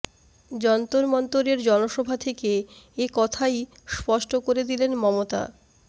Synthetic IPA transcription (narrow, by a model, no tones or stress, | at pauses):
d͡ʑɔnt̪oɾmɔnt̪oɾeɾd͡ʑɔnoʃɔbʱat̪ʰekeːkɔt̪ʰaj | spɔʃʈokoɾed̪ilenmɔmot̪a̰